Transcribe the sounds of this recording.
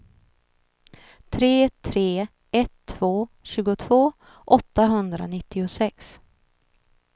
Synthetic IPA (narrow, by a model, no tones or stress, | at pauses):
t̪ʰɾeːt̪ʰɾeː | ɛt̪ʰːv̥oːɕʉ̟ːɡʊt̪ʰv̥oː | ʔɔt̪ːaɦɵnd̪ɾa̰nɪt̪ːɪʊsɛks